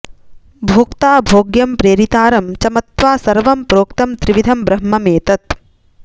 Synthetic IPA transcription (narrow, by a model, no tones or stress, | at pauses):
bʱoːkt̪aːbʱoːɡjɐmpɾeːɾit̪aːɾɐmt͡ʃɐmɐt̪ʋaːsɐɾʋɐmpɾoːkt̪ɐmt̪ɾiʋid̪ʱɐmbɾɐɦmɐmeːt̪ɐt̪̚